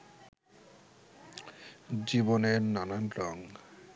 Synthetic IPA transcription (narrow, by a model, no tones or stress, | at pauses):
d͡ʑiboneɾnananɾɔŋ